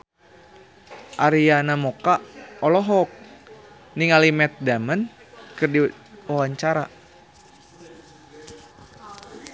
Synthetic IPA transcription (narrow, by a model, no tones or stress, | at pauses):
ʔaɾijanamokaɔlɔɦɔk̚ | niŋalimɛt̪̚damən | kɨrdiwawaɲt͡ʃaɾa